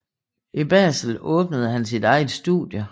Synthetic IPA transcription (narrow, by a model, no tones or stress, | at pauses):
ib̥ɛ̰ːsl̩ɔːb̥nəð̞̩ˠɦænsid̥ɑ̈ɪð̩ˠsd̥ṵðˠjə